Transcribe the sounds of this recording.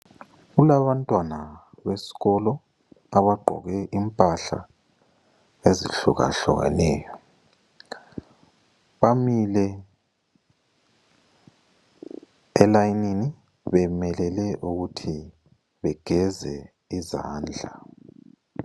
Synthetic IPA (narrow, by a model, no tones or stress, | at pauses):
ɣulaβantʼwana | βesi̥ɣɔlɔ | aβaɡ͡ǃʱɔ̰ɣɛʔimpʼaɬa̰ | eziɬṵɣa̰ɬɔ̰ɣa̰nɛːjɔ | βamilɛ | ɛlajnini | βɛmɛlɛlɛʔuɣutʰi | βɛɡ̥ʱɛzɛ̰ | iza̰ːnd͡ɮʱa